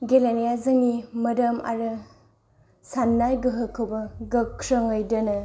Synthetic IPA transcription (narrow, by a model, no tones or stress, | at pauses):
ɡelenijazɐŋimɐdɐma̰ɾɯ | sanːajɡɯɦɯkʰːɐwbɐɡɐkʰɾɐŋɯjdɐnɐ